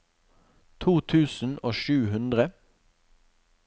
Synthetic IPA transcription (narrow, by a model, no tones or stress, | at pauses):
t̪ʰuːt̪ʰʉːsn̩oːʃʉːhʉnd̪ʁə